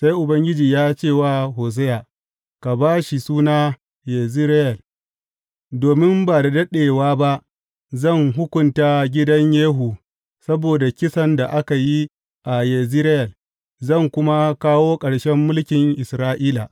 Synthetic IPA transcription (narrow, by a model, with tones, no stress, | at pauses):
sa˦jʔʊ˨bɐ˦ŋɡʲɪ˦d͡ʒiː˨jaː˦t͡ʃeː˦˨waː˦ɦoː˨s̬ɛ˦ja˨ | ka˨baː˦ʃi˨suː˦naː˦ | je˨zɪ˦ɾɪ˦jɐ˨l | doː˨mɪ˦mba˨da˨dɐ˦ɗeː˨waː˦ba˦ʔ | zɐ˦˨ŋɦʊ˦kʷʊ˨ntaː˦ɡʲɪ˦dɐ˦ɲjeː˦ɦu˨ | sɐ˦boː˨da˨kʲɪ˦sɐ˦nda˨ʔa˦ka˨ji˦ | ʔa˨je˨zɪ˦ɾɪ˦jɐ˨l | zɐ˦˨ŋkʷʊ˦ma˦kaː˦woː˦kʼɐ˨ɽʃɛ˦mːʊ˦lkʲɪ˨ŋʔɪ˨sɾaː˦ʔiː˦la˨